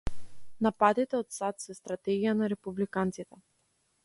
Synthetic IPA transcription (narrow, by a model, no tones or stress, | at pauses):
napad̪it̪ɛɔt̪sat̪sɛst̪ɾat̪ɛɡijanaɾɛpublikant̪sit̪ɛ